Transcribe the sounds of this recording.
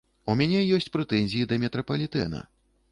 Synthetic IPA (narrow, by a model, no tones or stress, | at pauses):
umʲanʲɛjɔsʲt͡sʲpɾɛt̪ɛnʲzʲijid̪ɐmʲɛt̪ɾɐpɐlʲit̪ɛ̰nɐ̰